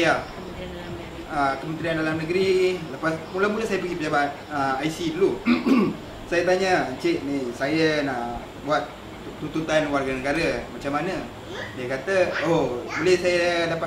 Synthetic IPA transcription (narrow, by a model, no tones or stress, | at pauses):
ja | dl | akəmənt̪ɾiandalamnəɡɾiləpasmulamulasajapəɡipəd͡ʒabat̪̚əajsidulu | sajat̪aɲət͡ʃeʔnisajanaʔ | buat̪̚ | t̪ːut̪ut̪anwarɡanəɡaɾamat͡ʃamːanə̃ | diakat̪əobolɛhsajadapa